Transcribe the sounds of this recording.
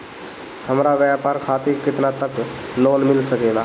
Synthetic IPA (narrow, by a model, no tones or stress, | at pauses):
həmɾaʋjapaɾkʰat̪ikɪt̪nat̪əklonmilsəkela